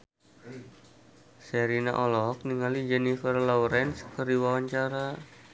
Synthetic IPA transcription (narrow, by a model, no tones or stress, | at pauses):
sɛɾina̰ʔɔlɔɦɔk̚niŋalid͡ʒɛnifərlawɾɛnskəɾiwawaɲt͡ʃaɾa